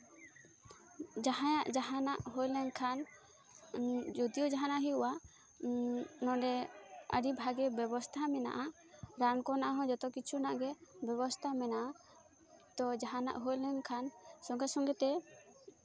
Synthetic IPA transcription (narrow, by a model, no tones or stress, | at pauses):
d͡ʒaɦãjaʔd͡ʒaɦanaʔɦojlɛnkʰan | d͡ʒɔd̪ijɔd͡ʒaɦanaʔɦiuwa | nɔ̃ɖɛə̰ɖibʱaɡɛbɛbɔst̪ʰamɛna̰ʔa | ɾankɔnaʔaɦɔ̃d͡ʒɔt̪ɔkit͡ʃʰunaʔɡɛbɛbɔst̪ʰamɛnaʔa | t̪ɔd͡ʒaɦana̰ʔɦojlɛnkʰansɔŋɡɛsɔŋɡɛt̪ɛ